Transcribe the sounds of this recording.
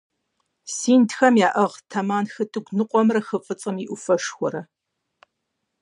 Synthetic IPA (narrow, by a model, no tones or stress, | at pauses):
siːntxɐmjaːʔɐʁtʰɐmaːnxɨtʼɨɡʷnɨqʷʼɔmrɐxɨfʼɨt͡sʼɐmiʔʷʊfɐʂxʷɔɾɐ